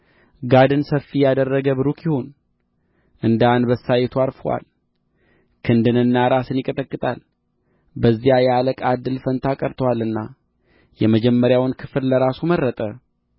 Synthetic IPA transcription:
ɡad̪ɨnsəfːijad̪ərːəɡəβɨɾukʰjihon | ʔɨnd̪anbəsːajɛt̪ʰuaɾfəwa̰l | kʰɨnd̪ɨnɨnːaɾasɨnjɪkʼət̪ʼəkʼːɨt̪ʼal | bəzːijajɛaləkʼad̪ɨlfənt̪ʰakʼəɾt̪ʰəwalːɨnːa | jɛməd͡ʒɛmːəɾjawnkʰɨ̥flləɾasumərːət̪ʼə

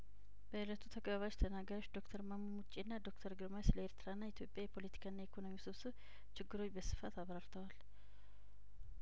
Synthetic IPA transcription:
b̥əɨlət̪ʰut̪ʰəkʼbaβat͡ʃt̪ʰənaɡajoʃd̪o̞kt̪ʰəɾmamːumut͡ʃʼːenːad̪o̞kt̪ʰəɾɡɨɾmajsləeɾt̪ʰɨɾaɨnːait̪ʰjo̞pʼːjajɛpʰo̞lət̪ʰi̥kʰaɨnːajekʰo̞no̞miusɨβsɨ | t͡ʃɪɡːɨɾo̞t͡ʃːbəsɨ̥fat̪aβɾaɾt̪ʰəwal

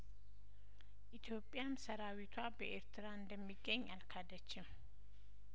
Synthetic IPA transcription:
ʔit̪ʰjo̞pʼːjamsəɾawit̪ʰwabəʔeɾt̪ʰɨɾaɨnd̪əmːiɡːəɲːalkʰad̪ət͡ʃːɪm

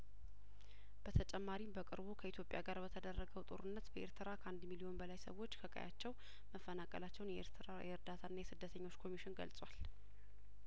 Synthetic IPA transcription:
b̥ət̪ʰət͡ʃʼɛmːaɾimbəkʼɨ̰ɾbukʰəit̪ʰjo̞pʼja̰ɡaɾbət̪ʰəd̪ərːəɡəwt̪ʼo̞̰ɾɨnːət̪bəʔe̞ɾt̪ʰɨɾakʰəʔand̪milio̞nbəlajsə̰wːo̞t͡ʃːkʰəkʼə̰ja̰t͡ʃːɛw | məfːənakʼə̰lat͡ʃːɛwnjɛeɾt̪ʰɨɾajɛɨɾd̪at̪ʰaɨnːajɛsɨd̪ːət̪ʰəɲːo̞t͡ʃːkʰo̞miʃɪnɡə̰lsʼwal

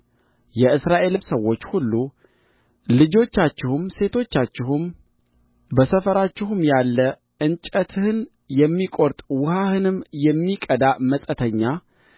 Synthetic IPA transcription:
jɛɨsɾaʔe̞lɨmsəwːo̞t͡ʃːhulːu | lɨd͡ʒo̞t͡ʃːat͡ʃːɪhumse̞t̪ʰo̞t͡ʃːat͡ʃːɪɦum | bəsəfəɾat͡ʃːɪhumjalːə | ʔɨnt͡ʃʼət̪ʰhɨn | jɛmːikʼo̞ɾt̪ʼwʊhahɨnɨmjɛmːikʼəd̪aməsʼət̪ʰəɲːa

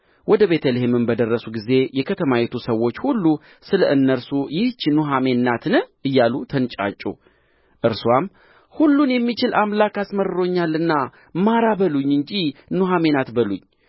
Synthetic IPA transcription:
wʔɔd̪əβe̞t̪ʰəlehemɨmbəd̪ərːəsuɡize̞jɛkʰət̪ʰəmajɛt̪ʰusəwːo̞t͡ʃːhulːu | sɨlə̰ʔɨnːəɾsujɪht͡ʃːnuɦame̞nːat̪nɨʔɨjːalut̪ʰənt͡ʃʼa̰t͡ʃʼːṵ | ʔɨɾswam | hulːunjɛmːit͡ʃɪlamlakasməɾɨɾo̞ɲːalːɨnːa | maɾabəluɲːɨɲd͡ʒinuɦame̞nat̪bəluɲː

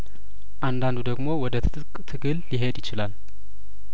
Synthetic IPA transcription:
ʔand̪and̪ud̪əɡmo̞wɔd̪ət̪ʰɨt̪ʼɨkʼt̪ʰɨɡɨlːiɦe̞d̪jɪt͡ʃɪlal

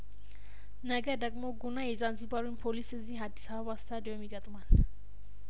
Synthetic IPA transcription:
nəɡɐd̪ɐkʼmoɡunajezanzibaɾunpʰolisɨziɦad̪isabast̪ʰad̪ejomiɡɐt̪ʼman

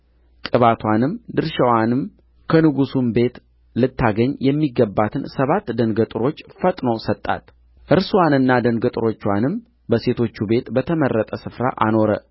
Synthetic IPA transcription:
kʼɨβat̪ʰwanɨmd̪ɨɾʃəwanɨm | kʰənɨɡusumbe̞t̪ | lɨt̪ːaɡəɲjɛmːiɡːəbːat̪ʰɨnsəβat̪ːd̪ənɡət̪ʼɨɾo̞t͡ʃːfət̪ʼnosət̪ʼːa̰t̪ | ʔɨɾsuwanɨnːad̪ənɡət̪ʼɨɾo̞t͡ʃːwanɨm | bəse̞t̪ʰo̞t͡ʃːube̞t̪bət̪ʰəmərːət̪ʼəsɨfɾa̰ʔa̰no̞ɾə

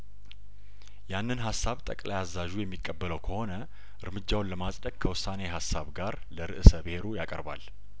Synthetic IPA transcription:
janːɨnɦasːaβt̪ʼəkʼlajazːaʒujɛmːikʼːəbːələwkʰəho̞nə | ʔɨɾmɨd͡ʒːawnləmasʼd̪əɡkʰəwʊsːaneɦasːaβɡaɾ | ləɾɨʔɨsəbɨhe̞ɾujakʼə̰ɾba̰l

